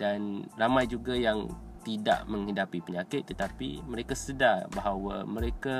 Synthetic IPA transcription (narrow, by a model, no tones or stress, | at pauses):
danramãjd͡ʒuɡajaŋ | t̪ida̰ʔmə̃ŋɦidapipəɲãkɪt̪ːət̪apḭmə̃ɾekasədarbaɦawa̰mə̃ɾeka